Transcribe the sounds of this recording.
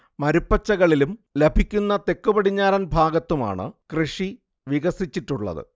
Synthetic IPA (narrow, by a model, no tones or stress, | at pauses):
mɐɾupːɐt͡ɕːɐɣɐɭilumlebʱikʲːunːɐt̪e̞kːubɐɽiɲːaːɾɐnbʱaːɡɐt̪ːuma̰ːɳɨ̰krɨʂi | ʋiɣɐsit͡ɕːiʈːuɭːɐ̰ðɨ̰